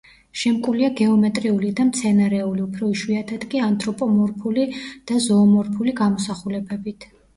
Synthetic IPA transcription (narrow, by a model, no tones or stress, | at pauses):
ʃɛmkʼuliaɡɛɔmɛt̪ʼɾiulid̪amt̪sʰɛnaɾɛuliupʰɾɔiʃwiat̪ʰad̪kʼiant̪ʼɾɔpʼɔmɔɾpʰulid̪̥azɔːmɔɾpʰuliɡamɔsaχulɛbɛbit̪ʰ